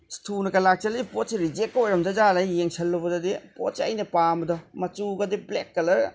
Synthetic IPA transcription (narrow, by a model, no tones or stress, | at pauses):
stʰunɐkɐlak̚t͡ʃɐlɐdipot̚siɾid͡ʒek̚ːojɾɐmdɐd͡ʒaɾajjeŋsɐlːɐbɐdɐdipo̰t̚sɐ̰jnɐpambɐdɔmɐt͡ʃuɡɐdiblekːɐlɐɾ